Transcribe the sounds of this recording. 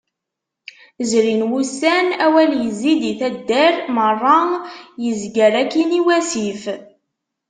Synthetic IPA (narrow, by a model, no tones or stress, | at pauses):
zɾinwusænæwæljəzːid̪iθæd̪ːæɾmərˤːɑjəzɡəɾækːiniwæsif